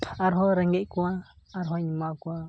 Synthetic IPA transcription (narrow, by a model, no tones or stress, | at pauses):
aɾɦoɾeŋɡekʷaː | ɾɦoɲĩmãkʷa